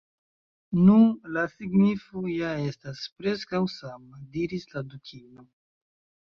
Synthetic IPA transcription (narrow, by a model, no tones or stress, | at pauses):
nunlasiɡnifojae̞staspɾe̞skawsamadiɾisladukʰino